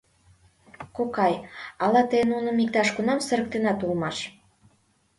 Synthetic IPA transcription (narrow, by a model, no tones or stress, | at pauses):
kokɑjɑlɑt̪əjənunə̆mik̚t̪ɑʃkunɑmsə̆ɾə̆k̚t̪enɑt̪ulmɑʃ